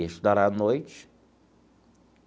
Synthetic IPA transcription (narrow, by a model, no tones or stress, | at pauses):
eʃud̪aɾanojt͡ʃ